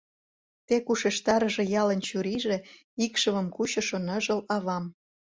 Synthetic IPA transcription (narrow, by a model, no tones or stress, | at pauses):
t̪ekuʃeʃt̪ɑɾə̆ʒĕjɑlə̆nt͡ɕuɾiʒe | ikʃəmə̆mkuɕɤ̆ʃonə̆ʒəlɑβɑm